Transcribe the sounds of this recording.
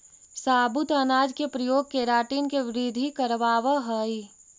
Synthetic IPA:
saːbut̪ənaːd͡ʒkepɾɐjoːɡ̚keːɾaːʈiːnkeʋɪɾid̪ʱikəɾʋaːʋəɦəi

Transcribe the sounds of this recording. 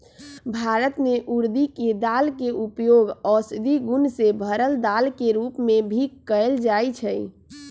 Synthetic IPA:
bʱaɾət̪meʔuɾd̪iked̪alkeʔupjoɡɔsd̪iɡunsebʱəɾəld̪alkeɾupmebʱikkːəɪld͡ʒajt͡ʃʰəj

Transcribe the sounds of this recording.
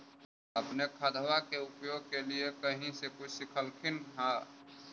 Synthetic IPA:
əpnekʰəd̪ʱʋakeupjoɡ̚keliekəɦĩsekut͡ʃʰsikʰəlkʰinɦã

